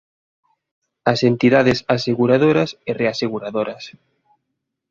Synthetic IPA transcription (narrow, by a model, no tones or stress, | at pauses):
asent̪iðaðesaseɣuɾað̞oɾasereaseɣuɾaðoɾas